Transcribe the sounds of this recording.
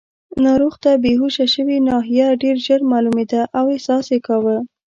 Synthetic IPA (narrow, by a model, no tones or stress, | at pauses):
nɑɾuxt̪abeɦuʃaʃəwinɑɦijaɖeɾʒəɾmɑlumed̪aʔawehsɑsekawə